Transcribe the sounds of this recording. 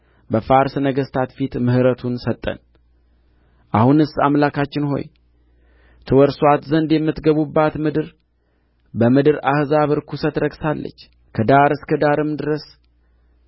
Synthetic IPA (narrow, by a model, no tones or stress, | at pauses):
bəfaɾsnəɡəst̪ʰat̪fit̪mɨhɨɾət̪ʰunsət̪ʼːə̰n | ʔahunɨsːamlakʰat͡ʃːɪnɦo̞̰j | t̪ʰɨwɔɾswat̪zənd̪jɛmːɨt̪ɡəβubːat̪mɨd̪ɨɾ | bəmɨd̪ɨɾahɨzaβɨɾkʰusət̪ɾəɡsalːə̰t͡ʃː | kʰəd̪aɾɨskəd̪aɾɨmd̪ɨɾəs